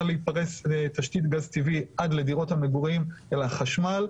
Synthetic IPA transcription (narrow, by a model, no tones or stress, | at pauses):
leipaʁest̪aʃt̪it̪ɡazt̪iviʔad̪le̞diʁo̞thameɡuʁiimelaχaʃmal